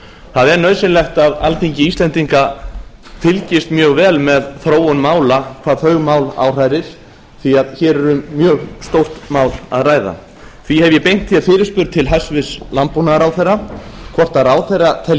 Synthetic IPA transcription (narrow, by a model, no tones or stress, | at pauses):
θaðɛɾnœɥsɪnlɛxt̪aðalt̪ʰiɲcɪiːst̪lɛnt̪iŋka | t̪ʰɪlcɪst̪mjœːɣvɛːlmɛðθɾoːwʏnmaːwlakʰvaːðθœɥɣmaːwla̰wr̥ajɾɪɾ̥ | θiaðçɛːɾɛɾʏmːjœːɣst̪owr̥t̪maːwla̰ðraːjða̰ | θvihɛvjɛpejŋ̥t̪θiafɪːɾɪ̥spʏɾt̪t̪ʰɪlɦasvɪslampunaɾawθejrːakʰɔr̥t̪aɾaːwθejrːat̪ʰɛl